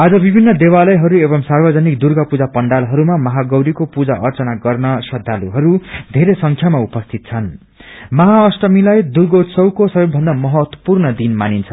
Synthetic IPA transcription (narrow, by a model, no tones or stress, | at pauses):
ad͡zʌbibʱinːʌd̪ewalʌjɦʌɾuebʌmsarbʌd͡zʌnikd̪urɡʌpud͡zapʌɳɖalɦʌɾumamʌɦaɡʌwɾikopud͡zaʔʌrt͡sʌnaɡʌrnʌsʌd̪ʱaluɦʌɾud̪ʱeɾesʌŋkʰjamaupʌst̪ʰit̪̚t͡sʰʌn | mʌɦaʌsʈʌmilajd̪urɡʌwt̪sʌwkosʌbebʱʌnd̪amʌɦʌt̪wʌ̥purnʌd̪inmanint͡sʰʌ